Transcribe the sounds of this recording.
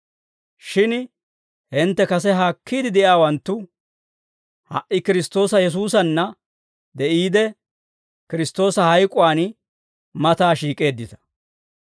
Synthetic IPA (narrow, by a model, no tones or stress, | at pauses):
ʃɪn | hɪnt̪ːɛkɐs̬ɛɦaːkʰːiːd̪ɪd̪ɛʔjaːwɐnt̪ːʊ | hɐ̰ʔɪkɪɾɪst̪o̞ːsɐjɛs̬uːsɐnːɐ | d̪ɛʔiːd̪ɛ | kɪɾɪst̪o̞ːsɐhɐjkʼʊwaːn | mɐt̪aːʃiːkʼe̞ːd̪ːɪt̪ɐ̥